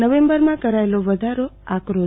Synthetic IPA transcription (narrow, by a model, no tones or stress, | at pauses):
əʋembəɾmãkəɾaeloʋəd̪ʱaɾoakɾo